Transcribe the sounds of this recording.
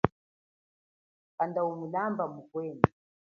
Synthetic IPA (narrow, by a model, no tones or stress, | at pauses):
kandaumulambamukwɛːni